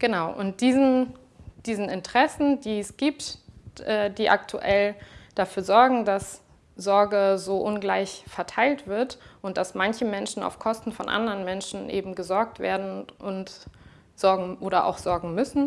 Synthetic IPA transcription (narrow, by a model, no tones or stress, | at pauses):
ɡ̥ənaʊʔʊ̰nt̚d̥iːzn | d̥iːzn̩ɪntəʁ̥ɛsn̩diːɛsɡ̥iːptʔɛːdiːʔa̰ktʰṵʔɛld̥afyːɐzɔɐɡŋ̩das | z̥ɔɐɡəzoːʔʊnɡlaɪçfɛɐtʰaɪltv̥ɪɐtʔʊnt̚d̥asmançəmɛnʃn̩a̰ʊfkʰɔstn̩fɔnʔa̰ndəʁənmɛnʃn̩ʔḛːbm̩ɡəzɔɐk̚tv̥ḛːɐdn̩ʔʊnt | z̥ɔɐɡŋ̩ʔoːɾɐʔa̰ʊxz̥ɔɐɡŋ̩mʏsn̩